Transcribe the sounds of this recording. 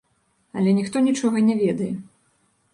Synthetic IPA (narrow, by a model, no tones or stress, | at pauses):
ɐlʲɛnʲixt̪ɔnʲit͡ʂɔɣɐnʲɛvʲɛd̪ɐjɛ